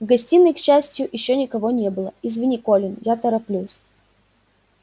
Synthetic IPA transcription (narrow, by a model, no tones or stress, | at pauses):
ɡɐsʲtʲinːəjkɕːæsʲtʲjʊʔɪɕːonʲɪkɐvonʲebɨlˠəɪzvʲɪnʲɪkolʲɪnjat̪əɾɐplʲus